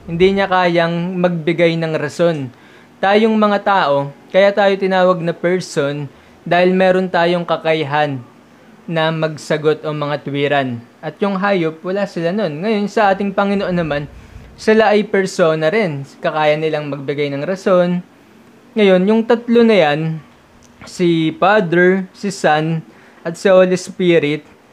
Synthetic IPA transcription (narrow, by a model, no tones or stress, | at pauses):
hɪnd̪iɲɐkaːjɐŋmɐɡ̚bɪɡajnɐŋɾɐso̞n | t̪aːjoŋmɐŋat̪aːʔo̞kɐjat̪aːjo̞t̪ɪnaːwɐɡ̚nɐpɛɹso̞n | d̪aːhɪlmɛːɾo̞nt̪aːjo̞ŋkɐkɐjɦanː | ɐmɐɡ̚sɐɡo̞t̪ʔo̞mɐŋat̪wiːɾɐnʔɐt̪jʊŋɦaːjop̚wɐlaːsɪlano̞nŋɐjo̞nsɐʔaːt̪ɪŋpɐŋɪnoʔo̞nːɐmansɪlaʔɐjpɛɹso̞ːnɐɾɛnkɐkaːjɐnɪlaŋmɐɡ̚bɪɡajnɐŋɾɐso̞n | ŋɐjo̞njʊŋt̪ɐt̪lo̞nɐjan | sipad̪ɛɹsɪsan | ʔɐt̪̚sɪʔoːlɪspiɾɪt̪̚